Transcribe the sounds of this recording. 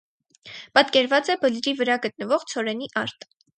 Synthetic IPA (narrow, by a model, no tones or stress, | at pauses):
pɑt̪kɛɾvɑt͡sɛbəlɾivəɾɑɡət̪̚nəvɔʁt͡sʰɔɾɛniʔɑɾt̪